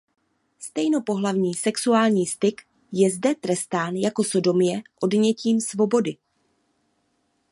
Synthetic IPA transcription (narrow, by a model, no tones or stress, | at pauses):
st̪ɛjno̞po̞ɦlavɲiːsɛksuaːlɲiːst̪ɪk | jɛzdɛt̪ɾɛst̪aːnjako̞so̞do̞mjɛʔo̞dɲɛciːmsvo̞bo̞dɪ